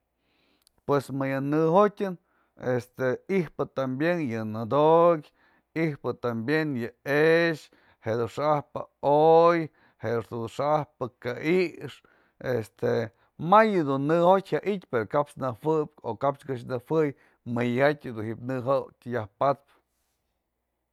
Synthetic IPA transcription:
pwesmɨjɨnɨhotʲɨn | est̪eihpɨt̪ambjenjɨnɨd̪okʲ | ihpɨt̪ambjenjɨeʃ | hed̪uʂaʔahpɨoj | hed̪ʂd̪ud̪uʂaʔahpɨkaʔiʂ | est̪e | majɨd̪unːɨhotʲhaʔit̪ʲpeɾokapsnɨhwɨp̚ʲokapt͡ʃkɨʃ̬nɨwʷɨj | mɨjhatʲɨd̪unhipnɨɦotʲjahpat̪̚p

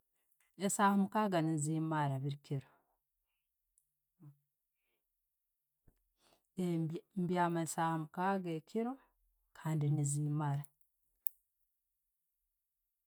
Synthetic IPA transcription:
esaːhamukaːɡanizimaɾaβiɾikiɾo | embjamasahamukaɡekʰiɾo̞ | kʰaːndiniziːmaɾa

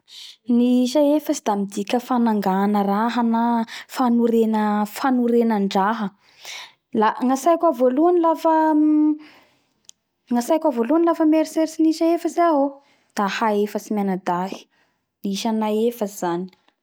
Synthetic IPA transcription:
niʃaefəsid̪amid̪ikʲəfanaŋɡanəraɦanafanuɾenəfanuɾenəɳɖ͡ʐaɦə | laŋasajkʲʷavoluanilafə | ŋasajkʲʷavolunilafəmeɾiseɾsiniʃaefəsaɦo | d̪̥ahaefəsimanad̪aɦi̥ | niiʃanaefəzani̥

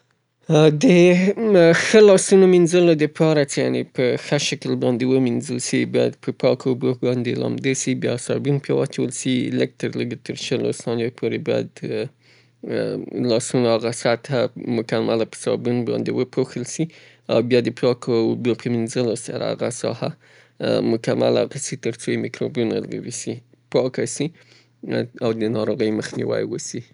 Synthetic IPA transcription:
d̪ə | xəlɑsunominzəlod̪əpʰɑɾat͡ʃeja̰nepəxəʃakəlbɑnd̪ewəminzəlsibɑjad̪pʰəpʰɑkobobɑnd̪elɑ̰md̪esibjɑsɑbunpʰjɑwɑt͡ʃawəlsiləɡ̚t̪əɾləɡet̪ʰəɾʃəlo̰st̪ɑnjopʰoɾebɑjad̪ | lɑsunaaɣasat̪ʰamʊkamalapə̥sɑbunbɑ̰nd̪ewəpʰoxəlsi | awbjɑd̪əpʰjɑkowbopʰəminzəlosaɾa̰aɣasɑ̰ha | mʊkama̰la̰ɣasit̪əɾt͡sojemikɾobjunalɡa̰wisi | pɑkasi | awd̪ənɑɾoɣəjməxnḭwa̰jwəsi

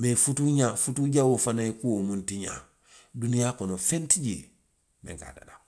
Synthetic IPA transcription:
mefutuɲafutuɟawofanajekuwomũntiɲa̰ | dunijaːkɔnofentid͡ʒḛː | mḛ̃ŋka̰da̰da

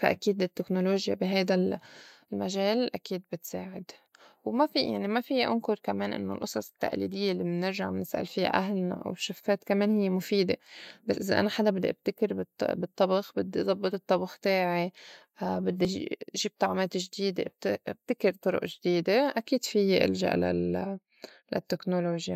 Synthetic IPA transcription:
faʔa̰kiːd̪ɪt̪ːeknoloːʒja̰biɦajd̪al | lmaʒeːlʔakiːd̪̚bɪt̪saːʕɪd̪wmafḭja̰ʕnimafijːʔʊ̰nkʊɾkameːnʔɪ̰nːo̰lʔʊsˤɑsˤɪ̥t̪ːa̰ʔlḭd̪ɪjːelːimnːɪɾʒaʕmnɪsʔa̰lfiːa̰ʔaɦlna̰ʔa̰wʃafːeːt̪kameːnhɪjːemʊfiːd̪ebasʔɪza̰ʔa̰naħad̪abɪd̪ːiʔab̥t̪akɪɾb̪bɨt̪ˤːɑbɑxbɪd̪ːizˤɑbːɨt̪ˤɨt̪ˤːɑbɑxt̪eːʕi | bɪd̪ːḭʒiːb̚t̪ˤɑʕmeːt̪ʒd̪iːd̪ḛʔb̪ʔb̚t̪akɪɾt̪ˤʊɾʊ̰ʔʒd̪iːd̪eʔakiːd̪̥fijːeʔɪ̰lʒa̰ʔla̰l | lʔa̰t̪ːeknoloːʒja

